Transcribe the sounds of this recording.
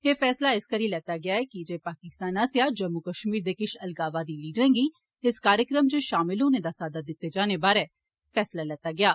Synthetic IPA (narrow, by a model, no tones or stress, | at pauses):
eːfʰɛːslaɪskəɾiːlɛːt̪aːɡɪaːɛːkid͡ʒeːpaːkɪst̪aːnaːsjaːd͡ʒəmːukəʃmiːɾd̪eːkɪʃʰɐlɡaːʋaːd̪iːliːɖəɾɛ̃ːɡiː | ɪskaːɾjəkɾəmd͡ʒeːʃaːmɪlõːned̪aːsaːd̪ad̪ɪt̪ːed͡ʒaːnebaːɾɛː | fʰɛːslalɛːt̪aːɡɪjaː